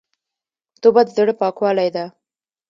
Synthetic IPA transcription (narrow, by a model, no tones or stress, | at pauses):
t̪obad̪əd̪əɽəpɑkwɑlajd̪a